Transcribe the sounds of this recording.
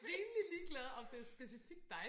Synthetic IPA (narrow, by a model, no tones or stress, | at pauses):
ʋeːnəliliːɡ̥lɛðˠɒ̽md̥e̝æɐsb̥e̝sifiɡ̥̚d̥ɑ̈ɪ